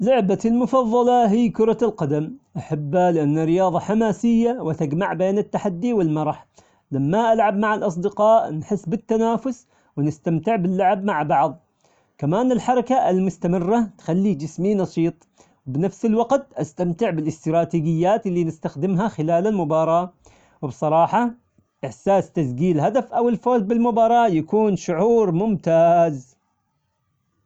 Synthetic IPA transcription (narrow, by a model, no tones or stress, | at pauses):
lʊʕbalmʊfɑðˤːɑlɑɦijːkʊɾˤɑlqɑd̪amʔaħabːlɪʔanːarɪjɑːðˤɑħamaːsɪjːawɪt̪aɡmaʕbeːnɪt̪ːaħad̪ːiwɪlmɑɾˤɑħ | lamːaʔalʕabmaʕalʔɑs̬ˤd̪ɪqɑːʔnħɪsːbɪt̪ːanaːfʊs | wɪnɪst̪amt̪ɪʕbɪlːʊʕabmaʕbɑʕðˤ | kamaːnɪlħɑɾˤɑkaɪlmʊst̪amɪrːat̪xalːid͡ʒɪsminɑʃiːt̪ˤ | wɪbnafsɪlwɑɡt̪ʔast̪amt̪ɪʕbɪlɪst̪ɾˤɑːt̪iːd͡ʒɪjːaːt̪ɪlːiːnɪst̪axd̪ɪmɦaxɪlaːlalmʊbɑːɾˤɑː | wɪbsˤɑɾˤɑːħɑ | ʔɪħsaːst̪azɡiːlɦad̪afʔawɪlfoːz̚bɪlmʊbɑːɾˤɑːjakuːnʃʊʕuːɾmʊmt̪aːz